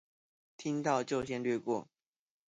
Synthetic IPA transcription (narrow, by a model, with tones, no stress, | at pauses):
t̪ʰi˦ŋt̪ɑ˥˨ʊt͡ɕjo˥˨ʊɕ̬jɛ˥˧nlɥɛ˥˧kwɔ˥˨